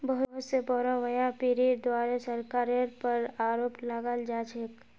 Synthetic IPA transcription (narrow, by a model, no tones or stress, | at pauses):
bəɦʊɦʊt̪sebɔɾãʋəjãpiɾid̪waːɾesəɾkaːɾeɾpəɾaːɾoːpləɡəld͡ʒaːt͡ʃek